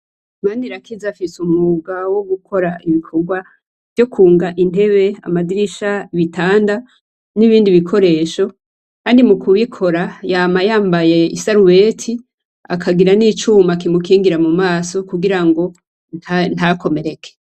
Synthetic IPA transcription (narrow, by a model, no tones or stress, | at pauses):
maːndiɾakʰizafisumuɡawo̞ɡukʰo̞ɾaiβikʰoɡwa | v̥jo̞kʰuːŋɡaʔin̥e̞βe̞a̰madiɾiʃaiβitʰaːnda | niβiːndiβikʰo̞ɾe̞ːʃo̞ | kaːndimukuβikʰo̞ɾajaːmajaːmbaje̞isaɾuwe̞ːtʰi | akʰaɡiɾaniːt͡ʃumak̬imukiːŋɡiɾamumaːso̞kuɡiɾaŋɡo̞ | nn̥ako̞me̞ɾe̞kʰe̥